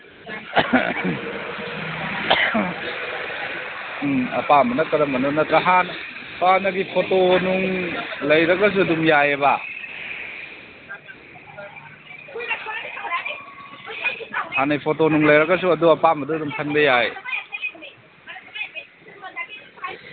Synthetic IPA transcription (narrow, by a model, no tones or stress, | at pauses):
apamanat̪̚kadamanut̚nat̪̚kaɦan | fʰɔanaɡipʰotonuŋləjɾakas̬udumjajaba | haːnajpʰotonuŋləjɾakas̬uaduapamaduduŋtʰanbejaj